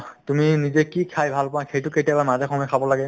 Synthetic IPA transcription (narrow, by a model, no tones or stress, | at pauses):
tuminizɛkikʰajbʱalpɔ̃ãkʰejtʊketijabamazɛkʰɔmɔjkʰabɔlaɡɛ